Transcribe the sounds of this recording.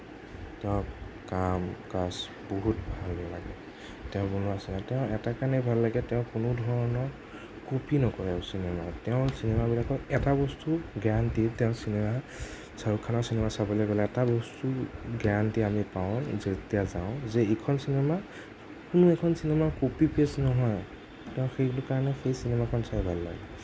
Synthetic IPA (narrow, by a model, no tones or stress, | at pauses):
tɛʊ̃kamkas | bɔɦutbʱalbɔlaɡɛ | tɛʊ̃bɔnuasɛnãtɛʊ̃ɛtakanɛbʱalːaɡɛtɛ̃ʊ̃kʊnʊdʱɔɹɔnɔɹ | kopinɔkɔɹɛsinɛmatɛʊ̃sinemabilakɔɛtabɔstuɡantitɛʊ̃sinema | saɹukʰːanɔɹsinemasabɔlɛɡɔlɛɛtabɔstuɡantiamipaʊ̃zetijazaʊ̃zɛekʰɔnsinɛma | kʊnʊɛkʰɔnsinemakopipesnɔɦɔj | tɛʊ̃xejɡlʊkaɹanɛxejsinemakʰɔnsajbʱalːa̰ɡɛ